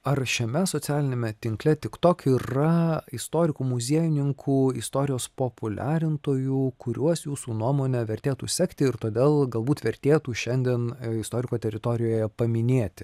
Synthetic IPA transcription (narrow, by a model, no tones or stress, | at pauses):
ɐrʃʲɛmʲɛsoːsʲæːlʲɪnʲeːmʲɛt̪ʲɪŋklʲɛt̪ʲɪkt̪oːkiːrɐɪst̪oːɾʲɪkuːmʊzʲiɛjʊnʲɪŋkʰuːɪst̪oːɾʲɪjoːspopʊlʲæːɾʲɪnt̪oːjuːkʊɾʲuɔsjuːsuːnuɔmoːnʲɛʋʲɛɾʲt̪ʲeːt̪uːsʲɛkt̪ʲɪɪɾt̪oːd̪ʲeːlˠɡɐlˠbuːt̪ʋʲɛɾʲt̪ʲeːt̪uːʃʲɛnʲd̪ʲiɛnɪst̪oːɾʲɪkoːt̪ʲɛɾʲɪt̪oːɾʲɪjoːjɛpɐmʲɪnʲeːt̪ʲɪ